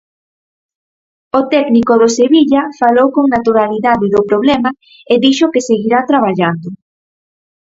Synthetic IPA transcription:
ot̪ɛknikoðoseβiʎafalowkoŋnat̪uɾaliðaðɪðopɾoβlɛma | eðiʃokeseɣiɾat̪ɾaβ̞aʎand̪ʊ

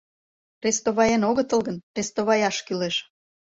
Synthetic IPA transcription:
rʲest̪oβɑjenoɣət̪əlˠɣənrʲest̪oβɑjɑʃkyleʃ

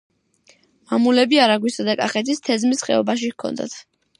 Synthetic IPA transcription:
mamulɛbiaɾaɡwisad̪akʼaχɛt̪ʰist̪ʰɛzmisχɛɔbaʃ̬ikʰɔ̰nd̪a̰t̪ʰ

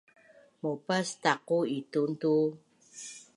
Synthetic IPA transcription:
mopastaquitunt̪u

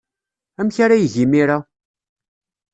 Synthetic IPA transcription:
æmçaɾæjʝimiɾa

